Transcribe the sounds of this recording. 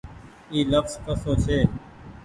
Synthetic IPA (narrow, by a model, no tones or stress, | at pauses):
iːləfzkəsoːt͡ʃʰeː